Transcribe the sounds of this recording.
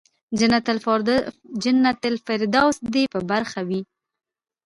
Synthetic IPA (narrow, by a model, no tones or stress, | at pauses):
d͡ʒɪnːat̪ɪlfɪɾd̪ɑwsd̪epəbaɾxawi